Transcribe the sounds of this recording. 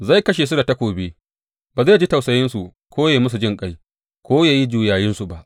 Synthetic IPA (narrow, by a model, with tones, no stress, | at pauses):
za˦˨jkɐ˦ʃ̬e˨s̬ʊ˦da˨ta˦kʷoː˨be˦ | baː˨zaː˦˨d͡ʒi˦tɐ˨sɐ˦jɪ˦nsu˨ | kʰʷoː˦jeː˨mʊ˦s̬u˨d͡ʒɪ˦ŋkʼa˦j | kʷoː˦jaː˨ji˦d͡ʒuː˨jaː˨jɪ˦nsu˨ba˦ʔ